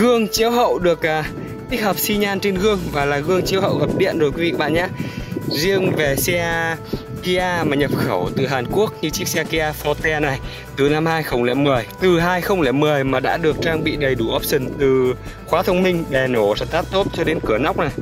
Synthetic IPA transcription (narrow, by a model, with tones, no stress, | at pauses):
ɣɨ˧əŋt͡ɕi˨˦əwɦə̰˧˨wɗɨ˨˩ək̚ʔaː˨˩ | t̪i˦˥k̚həː˨˩p̚si˧ɲaː˧nt͡ɕe˧nɣɨ˧əŋvaː˨˩laː˨˩ɣɨ˧əŋt͡ɕi˨˦əwhə̰˧˨wɣə˨˩p̚ɗḭ˧˨ənzo˨˩jkwi˨˦v̰ḭ˧˩ɓa̰ː˧˨nɲaː˨˦zi˧əŋve˨˩sɛ˧ | ki˧ʔaː˧maː˨˩ɲə˨˩p̚xə˧˩wt̪ɨ˨˩ɦaː˨˩nku˦˥ək̚ɲɨ˧t͡ɕi˦˥k̚sɛ˧ki˧ʔaː˧fɔ˧t̪ɛ˧na˨˩j | t̪ɨ˨˩na˧mhaː˧jxə˧wŋ͡mlɛ̰˧˨mɨ˨˩əjt̪ɨ˨˩ɦaː˧jxə˧wŋ͡mlɛ̰˧˨mɨ˨˩əjmaː˨˩ɗa̰ː˧˥ɗɨ˨˩ək̚t͡ɕaː˧ŋɓḭ˧˨ɗə˨˩jɗu˧˩ʔɔ˦˥p̚si˧˩ŋt̪ɨ˨˩ | xwaː˨˦t̪ʰə˧wŋ͡mmï˧ŋ̟ɓɛ˨˩no˧˩sɛ̰˧˥t̪aː˦˥t̚t̪o˦˥t̚t͡ɕɔ˧ɗe˨˦nkɨ˧˩əna˦˥wk͡p̚na˨˩j